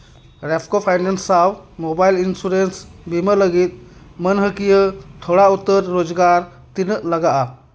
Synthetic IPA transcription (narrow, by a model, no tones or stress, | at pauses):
ɾepʰkopʰajnensawmobajlinsuɾensbimələɡiːt̪̚mənɦəkijət̪ʰoɽaut̪ːəɾːod͡zɡaɾ | t̪inəʔləɡaʔa